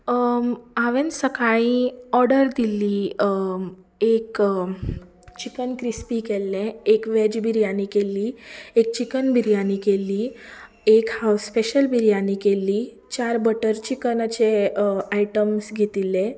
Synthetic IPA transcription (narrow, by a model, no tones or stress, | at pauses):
aʋẽnsəkaɭĩɔɾɖəɾd̪ilːiː | ek | t͡ɕikənkɾispikelːẽekʋɛd͡ʑbʱiɾjanikelːiːek̚t͡ɕikənbʱiɾjanikelːi | ekhaspeɕəlbʱiɾijanikelːiː | t͡ɕaɾbəʈəɾt͡ɕikənət͡ɕeaiʈəmsɡʱet̪ilːe